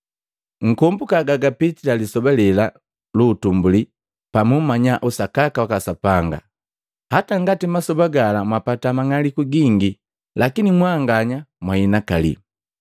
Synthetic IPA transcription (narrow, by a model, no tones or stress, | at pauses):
ŋ̩kɔmbukaɡaɡapit͡ʃilalisɔbalɛla | luːtumbuli | pamumaɲaʔusakakawakasapaŋɡa̰ | hataŋɡatimasɔbaɡalamwapatamaŋalikuɡiŋɡi | lakinimwaŋɡaɲamwainakalḭ